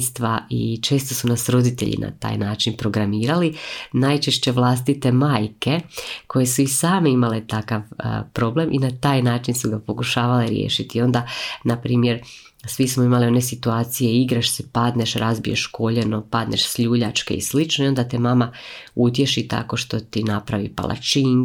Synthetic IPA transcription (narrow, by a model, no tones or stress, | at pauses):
st̪ʋaḭt͡ʃe̞ːst̪o̞sunasɾo̞d̪it̪ḛʎḭna̰t̪a̰ːjnaːt͡ʃinpɾo̞ɡɾamiːɾalinajt͡ʃe̞ʃt͡ɕe̞ʋlˠas̬t̪it̪e̞maːjkekʰo̞je̞suisaːme̞imalet̪akaʋə̰pɾo̞ble̞mʔinat̪aːjnaːt͡ʃinsuɡapo̞kuʃaːʋaleɾjḛːʃit̪io̞nd̪anapɾiːmje̞ɾ | sʋismoimalio̞ne̞sit̪uaːt̪sije̞iɡɾaʃsɛpad̪ne̞ʃɾazbijeʃko̞ʎe̞no̞pad̪ne̞̰ʃsʎuːʎat͡ʃke̞̰ḭslit͡ʃno̞io̞nd̪at̪emamaut̪je̞ʃit̪a̰ko̞ʃt̪o̞t̪inapɾaʋḭpa̰lˠʔa̰t͡ʃiŋ